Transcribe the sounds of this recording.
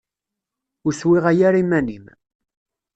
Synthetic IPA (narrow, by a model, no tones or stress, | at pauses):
ʊɾswɪʁæjaɾimːænim